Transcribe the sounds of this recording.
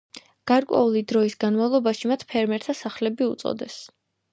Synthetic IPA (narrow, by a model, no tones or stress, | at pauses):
ɡ̥aɾkʼwɛ̰ulid̪ɾɔisɡanmavlˠɔbaʃimat̪ʰpʰɛɾmɛɾt̪ʰasaχlɛbiut̪sʼɔ̰d̪ɛs